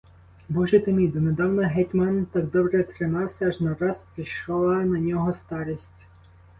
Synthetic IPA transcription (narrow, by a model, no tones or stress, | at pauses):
bɔʒɛt̪emʲid̪ʊned̪ɑwnɔɦɛtʲmant̪ɑɡ̚d̪ɔbɾɛt̪ɾɪmɑwsʲɐːʒnɐɾɑspɾiʃɔlˠɐnɐnʲɔɦɔst̪ɑɾisʲtʲ